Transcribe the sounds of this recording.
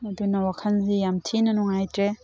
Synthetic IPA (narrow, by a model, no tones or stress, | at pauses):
nadunawakʰanzijamtʰinanɔŋajtɾe